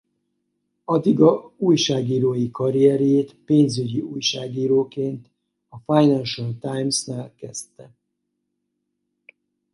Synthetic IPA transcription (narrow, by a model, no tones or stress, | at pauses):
ɒd̪iɡɒuːjʃaːɡiːɾoːjikɒɾijɛɾjeːt̪peːnzyɟiuːjʃaːɡiːɾoːkeːnt̪ | ɒfajnɛnʃɔlt̪ajmsnaːlkɛst̪ɛ